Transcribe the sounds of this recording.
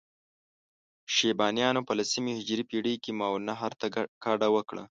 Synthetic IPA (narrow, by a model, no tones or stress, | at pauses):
ʃebɑːnjɑnopəlasimihɪd͡ʒɾipiɽikimawnaɦaɾt̪akɑɖawəkɽa̰